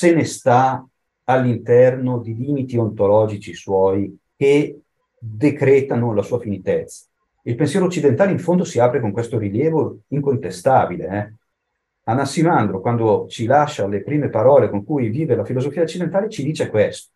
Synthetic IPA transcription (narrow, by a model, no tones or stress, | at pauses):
senest̪aː | lːint̪ɛrnod̪iliːmit̪iont̪olɔːd͡ʒit͡ʃiswɔːjke | d̪ekɾeːt̪anolasuːafinit̪ɛt̪sːḁ | ilpensjɛːɾot͡ʃːid̪ent̪aːleiɱfond̪osiaːpɾekoŋkwest̪oɾiljɛːvoiŋkont̪est̪aːbileɛ | anasimand̪ɾokwand̪ot͡ʃilaʃːalepɾiːmepaɾɔːlekoŋkujviːvelafilozofiaot͡ʃːid̪ent̪aːlet͡ʃid̪iːt͡ʃekwest̪o̥